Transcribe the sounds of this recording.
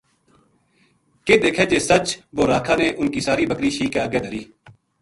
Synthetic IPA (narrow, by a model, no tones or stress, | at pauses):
keːd̪eːkʰeːd͡ʒeːsət͡ʃʋoːɾaːkʰaːneʔʊnkiːsaːɾiːbəkɾiːʃiːkeːəɡeːd̪əɾiː